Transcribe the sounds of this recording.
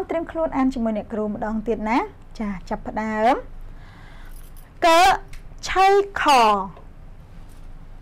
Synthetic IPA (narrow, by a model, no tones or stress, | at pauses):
mt̪rɨəŋkʰluənʔaːnt͡ɕiəmuəjnɛ̆əʔkruːmə̆ɗɑːŋt̪iət̪̚naː | t͡ɕaːt͡ɕapːə̆ɗaəm | kəːt͡ɕʰəjkʰɑːŋ